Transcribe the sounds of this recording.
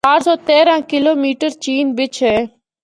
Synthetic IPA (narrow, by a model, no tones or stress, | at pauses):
aːɾsɔːt̪eːɾãːkɪloːmiːʈəɾt͡ʃiːnbɪt͡ʃʰɦeː